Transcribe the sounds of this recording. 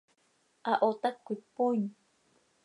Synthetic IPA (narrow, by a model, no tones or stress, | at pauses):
ʔaʔot̪akʷipuɲ